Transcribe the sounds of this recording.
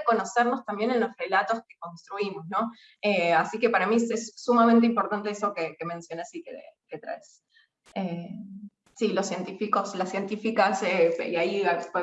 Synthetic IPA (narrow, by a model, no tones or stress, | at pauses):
ko̞noseɾnost̪ambje̞ne̞nlo̞sre̞lat̪o̞ske̞̥ko̞nst̪ɾuimo̞sno̞ | easike̞paɾamisesːumamẽnt̪̬eimpo̞ɾt̪ant̪e̞eso̞keke̞mẽ̞nsjo̞nesikeket̪ɾa̰es | e | silo̞sːje̞nt̪ifiko̞slasːje̞nt̪ifikaseaiafwe